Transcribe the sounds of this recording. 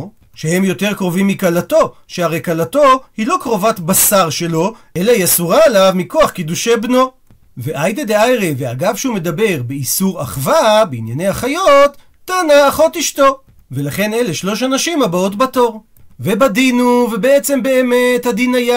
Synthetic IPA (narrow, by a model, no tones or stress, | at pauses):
ʃehe̞mjo̞te̞ʁkʁo̞vimːikalato̞ʃeaʁejkalato̞hilo̞kʁo̞vatbasaʁʃe̞lo̞ʔe̞laijasuʁaelavmiko̞aχkid̪uʃe̞bno̞ | veʔajd̪ed̪eajʁeveaɡavʃume̞d̪abe̞ʁbeisuʁaχvabeinjane̞jhaχajo̞tː | anaːχo̞tiʃto̞ | ve̞laχe̞ne̞le̞ʃlo̞ʃanaʃimabao̞tbato̞ʁ | ve̞bad̪inuve̞be̞et͡se̞mbe̞ːme̞t̪had̪inaja